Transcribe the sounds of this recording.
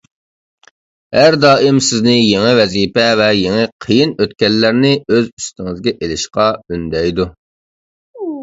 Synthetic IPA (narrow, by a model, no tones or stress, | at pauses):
hæɾd̪ɑːɪmsɪznɪjeŋɪvɛziːpɛvɛjeŋɪqʰəjinøt̪̚kʲɛlːæɾnɪøzyst̪ɪŋɪzɡʲɛʔelɪʃqɑynd̪ɛjd̪u